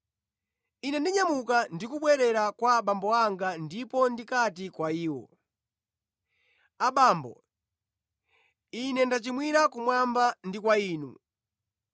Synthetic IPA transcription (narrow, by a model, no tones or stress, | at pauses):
inɛndiɲamukandikuɓwɛɾɛɾakwaɓambɔaŋɡandipɔndikatikwaiːwɔ̰ | aɓaːmbɔ̰ | inɛndat͡ʃimwiɾakumwambandikwaiːnṵ